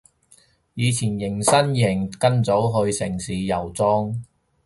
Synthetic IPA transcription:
jiː˨˧t͡sʰiː˨˩njɪ˨˩ŋsɐ˥njɪ˨˩ŋkɐ˥nt͡so˨˥wɦɵ˧ɥsɪ˨˩ŋsiː˨˧jɐ˨˩wt͡sɔː˥ŋ

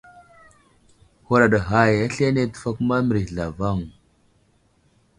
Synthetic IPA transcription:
ho˦ɾa˨ɗa˨ɦa˦˨ja˦ɬe˦ne˦tə̥˨fa˦kma˦m˨ɾi˨ɮa˨va˦˨ŋ

